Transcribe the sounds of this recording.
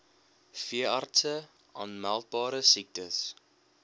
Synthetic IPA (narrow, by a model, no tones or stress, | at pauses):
fiəɑrtsə | ʔɐ̰nmælˠt̚bɑːɾəsik̚təs